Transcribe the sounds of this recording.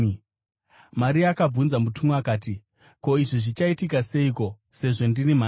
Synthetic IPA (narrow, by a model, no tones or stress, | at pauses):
maɾiakab͡vunzamutumuakaːti | ko̞iʐiʐit͡ʃaitikase̞iko̞ | se̞ʐo̞ndinima